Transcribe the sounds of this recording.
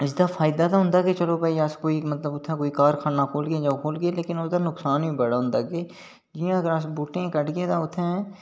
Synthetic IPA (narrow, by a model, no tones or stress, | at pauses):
ɪsd̪afʰaːɪd̪at̪aɦʊ̃nd̪aːket͡ʃəlobaːiaskoːimət̪ləbʊt̪ʰːɛ̃koːikaːɾkʰaːnakʰoːlɡɪed͡ʒaːkʰoːlɡeleːkɪnʊsd̪anʊksaːnbĩːbəɽaɦʊ̃nd̪akeː | d͡ʒijãəɡəɾasbuːʈẽkəʈɡet̪aʊt̪ʰːɛ̃